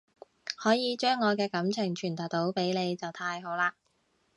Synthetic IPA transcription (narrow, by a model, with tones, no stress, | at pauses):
hɔː˨˥jiː˨˧t͡ʃœː˥ŋːɔː˨˧kɛː˧kɐ˨˥mt͡sʰɪ˨˩ŋt͡ʃʰyː˨˩nt̪ɐ˨˩w̚t̪o˨˥wpe˨˥jne˨˧jt͡sɐ˨wt̪ʰaː˧jɦo˨˥wlaː˧